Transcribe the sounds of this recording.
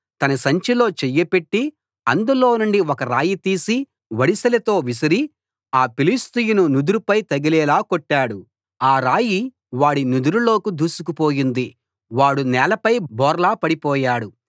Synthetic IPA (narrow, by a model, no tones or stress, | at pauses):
t̪ɐnɐsɐɲt͡ʃilo̞ːt͡ʃɛjːɐpeʈːi | ɐnd̪ulo̞ːnuɳɖiɔkɐɾaːjit̪iːsi | ʋɐɽisɐlɐt̪o̞ːʋis̬ɐɾi | aːpilist̪ijununud̪uɾupɐjt̪ɐɡilɛːlaːkoʈːaːɽu | aːɾaːji | ʋaːɽinud̪uɾulo̞ːkud̪uːsukupoːjind̪i | ʋaːɽunɛːlɐpɐjbɔːɾlaːpɐɽipɔːjaːɽu